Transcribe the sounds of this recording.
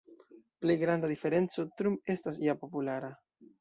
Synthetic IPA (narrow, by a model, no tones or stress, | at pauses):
ple̞jɡɾandad̪ife̞ɾe̞nt͡so̞tɾume̞stasjapo̞pulaɾa